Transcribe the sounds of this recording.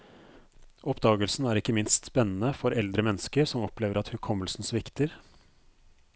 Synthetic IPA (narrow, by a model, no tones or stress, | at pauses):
ɔpd̪ɑːɡəlsn̩æːɾɪkːəmɪnst̪spɛnːn̩əfɔɾɛld̪ɾəmɛnːəskəɾsɔmɔpleːʋəɾɑt̪hʉkʰɔmːəlsn̩sʋɪkt̪ɪɾ